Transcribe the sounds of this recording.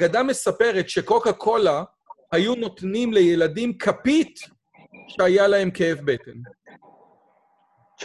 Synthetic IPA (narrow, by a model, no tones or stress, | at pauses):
aɡadame̞sape̞ʁe̞tʃe̞kokakʰola | hajuno̞t̪nimle̞jeladimkʰapit | ʃeajalahe̞mke̞efbeten